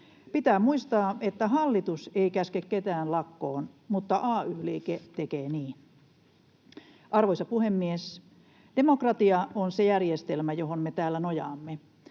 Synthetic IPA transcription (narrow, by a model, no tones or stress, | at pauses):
pit̪æːmuist̪ɑːet̪ːæɦɑlːit̪useikæskekket̪æːnlɑkːoːnmut̪ːɑʔɑːyːliːket̪ekeːniːn | ʔɑrʋoisɑpuhemːies | d̥emokrɑt̪iɑʔonsejærjest̪elmæjohonmet̪æːlːænojɑːmːe